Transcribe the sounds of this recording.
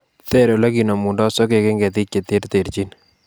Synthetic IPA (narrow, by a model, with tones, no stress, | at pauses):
te˦ɾo˨lɛ˦ki˨no˨mu˨ndɔ˦sɔ˦ke˨ke˦ŋɡɛ˨t̪̬i˦k̚ke˨t̪e˦rt̪e˨ɾt͡ʃi˦n